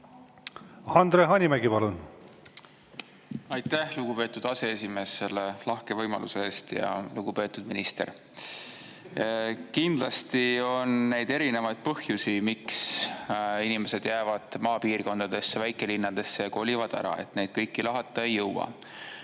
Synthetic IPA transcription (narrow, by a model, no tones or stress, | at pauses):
hɑnd̪ɾeɦɑnʲimæɡipɑlun | ɑjt̪ːˑæhluɡ̥upe̞ːt̪ːˑud̪̥ɑse̞esʲime̞ːsːe̞lːelɑhke̞vɤjmɑ̰lʔṵse̞eːst̪jɑ̰luɡ̥upe̞ːt̪ːˑud̪̥minist̪e̞̰ɾ | kind̪̥lɑst̪io̞nːe̞jd̪̥e̞ɾine̞vɑjd̪̥̚pɤhjusimiks | inime̞se̞d̪̥jæːvɑd̪̥mɑːpiːrko̞nd̪̥ɑd̪e̞sːevæjkˑe̞linːɑd̪̥e̞sːeko̞lʲivɑd̪̥æ̰ɾɑ̰e̞̰t̪ne̞jd̪̥kɤjkːilɑɦɑt̪ˑːɑejːɤwɑ̰